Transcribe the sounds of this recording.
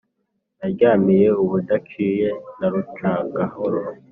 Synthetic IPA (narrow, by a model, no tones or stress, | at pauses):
naɟaːmije̞uβudakʰije̞naɾut͡ʃaɡahoɾo